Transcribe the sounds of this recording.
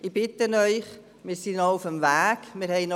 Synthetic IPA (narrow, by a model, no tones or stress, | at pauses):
ʔɪb̥ɪtənœʏχ | mɪːɾsinɔufəmvæːɡmɪːɾhɛɪnɔ